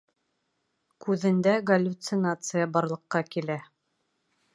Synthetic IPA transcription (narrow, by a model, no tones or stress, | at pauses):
kʉðɘ̆nd̪æɡɐlʲːut̪sɨnat̪sɨjəbɑɾlˠɤ̆qːɑkilæ